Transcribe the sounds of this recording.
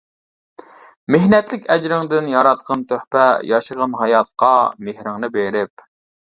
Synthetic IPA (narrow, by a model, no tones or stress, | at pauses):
mehnɛt̪lɪkʲɛd͡ʒɾɪŋd̪ɪnjɑɾɑt̪̚qʰɑnt̪ʰøhpɛjɑʃəʁɑnɦɑjɑt̪̚qɑmehɾɪŋnɨbeɾɪp̚